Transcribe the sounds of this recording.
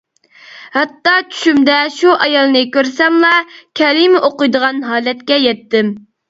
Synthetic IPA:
hɑt̪ːɑt͡ʃʰy̥ʃymd̪ɛʃuʔɑjɑlˠnɨkʲøɾsɛmlˠɑkʲʰɛlimoqʊjd̪əʁɑnɦɑːlɛt̪̚kʲɛjɛt̪ːɪm

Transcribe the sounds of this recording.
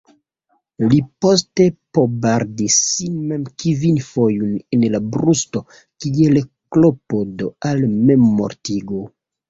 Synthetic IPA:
lipo̞ste̞pobaɾdisinme̞mkivinfo̞junenlabɾusto̞ | kielklopodoalmemːo̰ɾtiɡo

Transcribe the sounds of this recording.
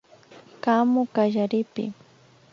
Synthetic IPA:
kamʊkaʒaɾɪpɪ̰

